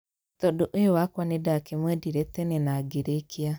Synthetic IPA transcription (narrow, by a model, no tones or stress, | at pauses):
tɔdoʔojowakwanedakemwɛdiɾɛtɛnɛnaɡeɾekʰia